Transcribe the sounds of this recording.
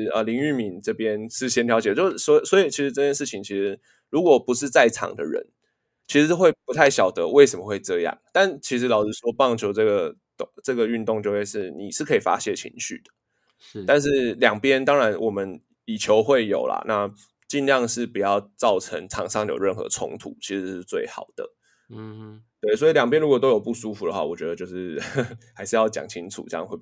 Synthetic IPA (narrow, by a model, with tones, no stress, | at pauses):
ə̰˧li˧˥ŋy˥˩mi˨˦nʈ͡ʂɤ˥˧˩pjɛ˦nʂɻ̩˥˩ɕjɛ˥nt̪ʰjɑ˧˥t͡ɕɛ˨˩˦t͡ɕjo˥˧ʊ˩swswɔ˧˥i˨˩t͡ɕʰi˧˥ʂ̩˧˥ʈ͡ʂɤ˥˧t͡ɕjɛ˥˧nʂ̬ɻ̩˥˩t͡ɕʰi˨ŋt͡ɕʰi˧˥ʂɻ̩˧˥ | ɻu˧˥kwɔ˨˩pu˧˦ʂɻ̩˥˧t͡sa˥˩ɪʈ͡ʂʰɑ̰˨˩ŋd̪ə̰˦ɻə̰˧˦n | t͡ɕʰi˧˥ʂɻ̩˧˥o˥˧xwe˥˩ɪpu˧t̪ʰa˥˩ɪɕjɑ˨˩ʊd̪ə˦we˥˩ɪs̬ə˨mə˨˧xwe˥˧ɪʈ͡ʂɤ˥˧jɑ̰˥˨˩ŋt̪a˥˩nt͡ɕʰi˧˥ʂ̬̩˧˥lɑ˨˩ʊt͡sɻ̩˥˩ʂwɔ˥pɑ˥˩ŋt͡ɕʰjo˧˥ʊʈ͡ʂɤ˥˩ɡə˩ | t̪ʈ͡ʂɤ˥˩ɡə˩y˥˧nt̪ʊ˥˧ŋt͡ɕjo˥˧ʊxwe˥˧ɪʂɻ̩˥˩ni˨˩ʂɻ̩˥˩kʰɤ˧˥i˨˩fa̰˥ɕjɛ˥˩t͡ɕʰḭ˧˥ŋɕy̰˥˩d̪̥ə̥˩ | t̪a˥˧nʂ̬ɻ̩˥˩ljɑ˨˩ŋpjɛ˦˥nt̪ɑ˥ŋɻa˧˦nwʔɔ˨˩mə˦n | i˨˩t͡ɕʰjo˧˥ʊxwe˥˩ɪjo˨˩ʊla̰˨˩na˥˧ | t͡ɕi˥˧nljɑ˥˧ŋʂɻ̩˥˩pu˨˩jɑ˥˧ʊt͡sɑ˥˩ʊʈ͡ʂʰə˧˦ŋt͡sʰɑ˨˩ŋʂɑ˥˩ŋjo̰˨˩ʊɻə˥˩nxɤ̰˧ə˧t͡sʰʊ̰˧˥ŋt̪ʰṵ˨˦t͡ɕʰi˧˥ʂɻ̩˧˥ʂɻ̩˥˧t͡swe˥˩ɪxɑ̰˨˩ʊd̪̥ə̰˩ | t̪we˥˩ɪswɔ˧˥i˨ljɑ˨˩ŋp̬jɛ˥nɻu˧˥kwɔ˨˩t̪o˥ʊjo˨˩ʊpu˥˩su˥fu˨d̪ə˨˦xwa̰˥˩wɔ˨˩t͡ɕɥɛ˧˥d̪ə˧t͡ɕjo˥˧ʊʂɻ̩˥˩ha˧˥ɪʂɻ̩˥˧jɑ˥˩ʊt͡ɕjɑ̰˨˩ŋt͡ɕʰi˦˥ŋt͡sʰṵ˨˩t͡ɕxwe˥˩